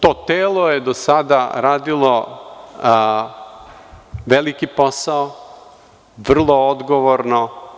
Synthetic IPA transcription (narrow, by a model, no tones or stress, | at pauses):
t̪oːt̪eːlojed̪osad̪aɾaːd̪ilˠo | ʋelikipo̞sao | ʋr̩lˠood̪ɡoʋoɾno